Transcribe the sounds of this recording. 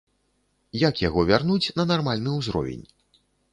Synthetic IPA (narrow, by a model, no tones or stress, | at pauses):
jakjaɣɔvʲarnut͡sʲnɐnarmalʲnɨwzɾɔ̰vʲḛnʲ